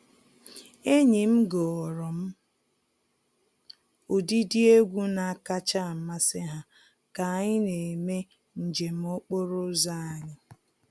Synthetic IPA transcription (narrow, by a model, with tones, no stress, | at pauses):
e˦ɲi˨m̩˦ɡɔ˨ɔ˨ɾɔ˨m̩˦ | ʊ˨di˦di˦e˦ɡʷu˦na˨a˨ka˦t͡ʃa˦˨ma˦sɪ˦ɦa˦ | ka˨ɲɪ˦ne˨me˦ | n̩˨d͡ʒe˨m̩˦ʊ˦k͡po˦ɾʊ˦za˦a˨ɲɪ˦